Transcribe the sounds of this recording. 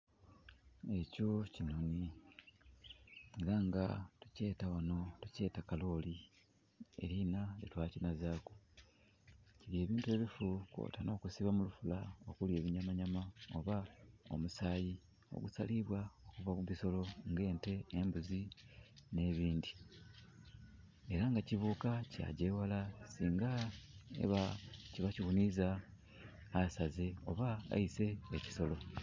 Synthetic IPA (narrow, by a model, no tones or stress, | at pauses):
e̞co̞cinoni | eɾaŋɡa̰tu̥ce̞ːtawano̞tuce̞ːtakalo̞ːli | e̞̰ɾinajetwaːcinazaːku | ciβje̞ːβiːntue̞ːβifukwo̰ːtano̞ːkusiβamulufulaokulje̞ːβiɲamaɲamaoβao̞̰musaːji | o̰ɡusaliβwaokuvakuβiso̞lo̞ŋɡe̞ːnte̞ːmbuzi | ne̞βiːndi | e̞ɾaŋɡaciβuːkaca̰ɟe̞walasiːŋɡaḛβaciβacihunizaː | saze̞o̞̰βaa̰ise̞ːci̥so̞lo̞